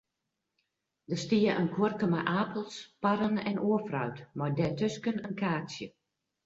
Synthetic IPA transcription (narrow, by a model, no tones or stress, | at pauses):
dəstiəʔənkʰworkəmaʔaːpəlˠspaɾənɛ̰nʔoəfrœ̰ɥtmɔrdɛtøskənənkaːsjə